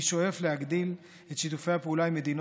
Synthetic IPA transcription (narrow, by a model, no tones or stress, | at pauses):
ʃo̞e̞fle̞haɡd̪il | et̪ʃit̪ufe̞japeulaime̞d̪in